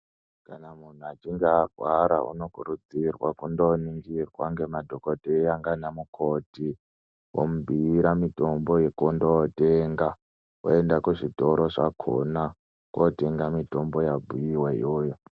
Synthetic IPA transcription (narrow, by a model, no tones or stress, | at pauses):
kanamun̤uat͡ʃiŋɡaːɡʱwaɾa̰ṵno̞kuɾud͡zirwakundoniŋɡirwaŋɡe̞madʱokodʱejaŋɡanamukʰoti | wo̰mubʱiːɾamito̞mbo̞jekondoteŋɡa | wo̰e̞ndakuʐito̞ɾoʐakʰo̰na | kwote̞ŋɡamito̞mbo̞jabʱujiwaḭjoːjo